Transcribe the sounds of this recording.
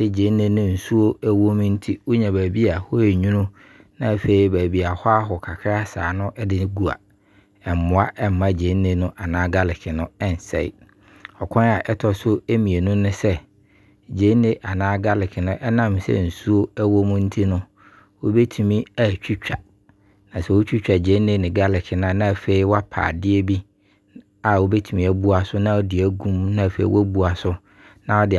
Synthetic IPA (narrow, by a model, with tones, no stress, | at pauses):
sɛ˦d͡ʑe˨˦nɪ̃˦nʊ̃˦n̩˨su˦o˦æ˦wo˦m̃˦n̩˦tʰi˦wo˦ɲɛ̃˨bæː˨bi˦a˨hɔ˦e˨ɲũ˦nũ˦ | nã˦˨fe˨˦i˨bæ˨bi˦a˨hɔ˦a˦ɦɔ˨kʰa˨kʰɪ˦a˦saː˨nʊ̃˦ʔɛ˦dɪ˦ɡu˦a̰˨ | ɛ˨m˨mʊ̃˨˦a˦ʔɛ˦m˦mã˦d͡ʑe˨˦nẽ˨nʊ̃˦ʔa˨nãː˦ɡa˦lɪ˨kʰɪ˨nʊ̃˦ɛ˦n̩˨sɛ̰˦ɪ̰˦ | ɔ˨kʰɔ̃˦na˨ʔɛ˦tʰɔ˨sʊ˦e˦mĩ˨e˨nʊ̃˦nʊ̃˦sɛ˦˨ | d͡ʑe˨˦nɪ̃˦ʔa˨nãː˦ɡa˦lɪ˨kʰɪ˨nʊ̃˦ʔɛ˦nã˦msɛ̰˦n̩˨su˦o˦æ˦wo˦mʊ̃˦n̩˦tʰi˦nʊ̃˦ | wo˦be˦tʰu˨mĩ˦æ˨t͡ɕᶣʰu˦t͡ɕᶣa˨ | nã˨sɛ˦wo˦t͡ɕᶣu˦t͡ɕᶣa˨d͡ʑe˨˦nɪ̃˦nɪ̃˨ɡa˦lɪ˨kʰɪ˨nã˨˦nã˦˨fe˦i˦wa˦pʰa̰ː˨dɪ˦e˦bi˦ | a˨wo˦be˦tʰu˨mĩ˨˦æ˨bu˦a˨sʊ˦nã˦ɔ˦dɪ˨æ˦ɡũ˦m˦nã˦˨fḛ˦ḭ˦wʔɔ˦bu˦a˨sʊ˦ | nã˦ɔ˦dɪ˨